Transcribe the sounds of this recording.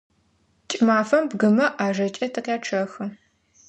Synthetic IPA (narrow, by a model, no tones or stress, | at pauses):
t͡ʃʼɪmaːfɐmbɡɨmɐʔaːʒɐt͡ʃʼɐtʰɨqjaːʈ͡ʂʰɐxɐ